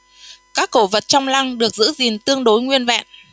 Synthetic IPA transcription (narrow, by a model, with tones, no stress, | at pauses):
kaː˦˥kːo˧˩və˨˩t̚t͡ɕɔ˧wŋ͡mla˧ŋɗɨ˨˩ək̚zɨ̰˧˥zi˨˩nt̪ɨ˧əŋɗo˨˦jŋwi˧ənva̰ː˧˨n